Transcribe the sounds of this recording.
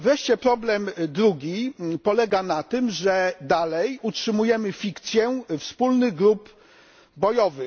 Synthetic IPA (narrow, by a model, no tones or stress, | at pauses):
vɾɛʂt͡ɕɛpɾɔblɛmd̪ɾuɡʲipɔlɛɡanat̪ɘmʐɛd̪alɛjutʂɘmujɛmɘfʲikt̪sʲjɛfspulnɘɣɡɾup | bɔjɔvɘ